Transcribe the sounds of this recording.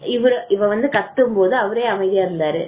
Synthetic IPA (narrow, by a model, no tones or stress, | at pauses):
ɪʋɐɾɯʔɪʋɐʋɐnd̪ɯkɐt̪ːɯmpoːðɯɐʋɐɾeːɐmɐɪðɪjaːɾɪlːaːɾɯ